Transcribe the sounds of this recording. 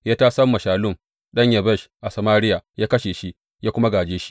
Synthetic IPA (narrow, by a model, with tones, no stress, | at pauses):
jaː˦taː˦sɐ˦mːɐ˨ʃaː˨lʊ˦˨m | ɗɐ˦ɲjɐ˨bɛ˦˨ʃʔa˨sɐ˨maː˦ɽɪ˦ja˨jaː˦kɐ˦ʃeː˨ʃi˦ | jaː˦kʷʊ˦ma˦ɡaː˨d͡ʒeː˦ʃi̥˦ʔ